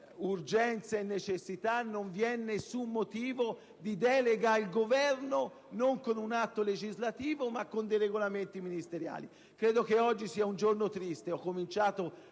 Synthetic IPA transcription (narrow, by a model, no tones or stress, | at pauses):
urd͡ʒɛnt̪saenːet͡ʃesːit̪anːoɱvjɛnːesːumːot̪iːvo | d̪id̪ɛːleɡailɡovɛrno | noŋkonunat̪ːoled͡ʒizlat̪iːvomakːond̪ejɾeɡolament̪iminist̪eɾja̰ːli | kɾeːd̪okeɔd͡ʒːisiːaund͡ʒornot̪ɾist̪eɔkːomint͡ʃaːt̪o